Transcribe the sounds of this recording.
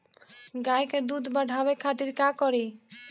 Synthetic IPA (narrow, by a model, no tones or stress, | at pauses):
ɡajked̪ud̪ʱbəɖʱabekʰat̪iɾkakɔɾi